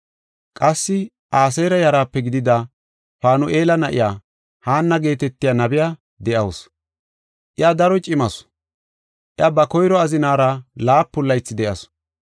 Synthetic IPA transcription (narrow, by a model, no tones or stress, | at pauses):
kʼɐsːɪ | ʔaːs̬ejɾɐjɐɾaːpːɛɡɪd̪ɪd̪a | faːnʊʔeːlɐnɐʔɪ̰jaː | haːnːɐɡe̞ːt̪ɛt̪ːɪjaːnɐbɪjaː | d̪ɛʔɐws | ʔɪad̪ɐɾɔt͡ʃʼɪmɐs | ʔɪɐbɐkɔjɾɔɐzɪnaːɾɐlaːpːʊlːɐjt͡sːɪd̪ɛʔɐs